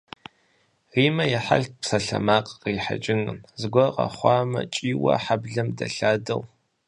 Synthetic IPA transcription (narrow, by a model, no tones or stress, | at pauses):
riːmɐjɛħa̰ɬpsɐɬɐ̰maːqʼqiːħa̰d͡ʒʼɪŋɨnzɨɡʷɔqɐ̰χʷɑːmɐt͡ʃʼiːwɐ̰ħabɮɐmdɐɬaːdɐw